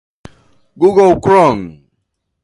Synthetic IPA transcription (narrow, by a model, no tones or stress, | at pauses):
ɡuɡɔlkɾɔn